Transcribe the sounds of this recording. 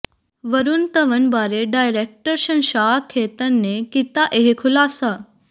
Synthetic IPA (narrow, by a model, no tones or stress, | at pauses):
ʋəɾunt̪ɐʋənbaːɾeɖaːjɾek̚ʈəɾʃɐnʃaːkʰːeːt̪ənːekit̪aʔeɦekʰʊlaːsa